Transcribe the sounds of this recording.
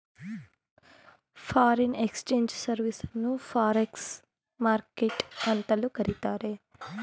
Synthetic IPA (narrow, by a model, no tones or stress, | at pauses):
pʰaːɾinekst͡ʃeːɲd͡ʒsɐɾʋisnupʰaːɾeks | maːɾkeʈɐnt̪ɐlukɐɾit̪aːɾe